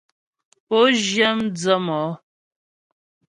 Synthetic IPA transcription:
po˦ʒjə˦md͡zə˦mɔ˨˦

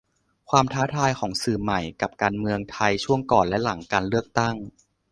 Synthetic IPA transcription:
kʰwaː˧mt̪ʰaː˦˥t̪ʰaː˧jkʰɔː˩˦ŋsɯː˨˩ma˨˩jka˨˩p̚kaː˧nmɯ˧əŋt̪ʰa˧jt͡ɕʰu˥˩əŋkɔː˨˩nlɛ˦˥la˩˦ŋkaː˧nlɯ˥˩ək̚t̪a˥˩ŋ

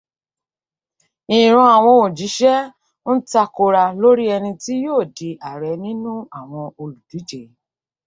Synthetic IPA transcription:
ĩ˨ɾ̃ũ˧a˨w̃ɔ̃˧o˨d͡ʒi˨˦ʃɛ˦ | n̩˦ta˧ko˧ɾa˧lo˦ɾi˦ɛ˧nĩ˧ti˦joː˦˨di˨˦ʔa˨ɾɛ˨˦nĩ˦nũ˦a˦˨w̃ɔ̃˧o˧lu˨du˨˦d͡ʒe˨

